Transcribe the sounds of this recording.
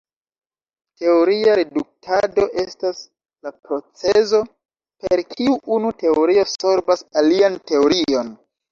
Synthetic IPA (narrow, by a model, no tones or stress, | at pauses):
te̞o̞ɾiaɾe̞duk̚tʰado̞ʔe̞stas | lapɾo̞t͡sezo̞ | peɾkʰiuʔunute̞oɾio̞so̞ɾbasaliante̞oɾio̞n